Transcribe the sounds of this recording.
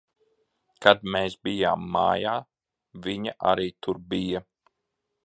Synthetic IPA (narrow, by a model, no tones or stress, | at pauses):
kad̪̚meːsbijaːmːa̰ːjaː | viɲaʔa̰ɾiːt̪uɾbija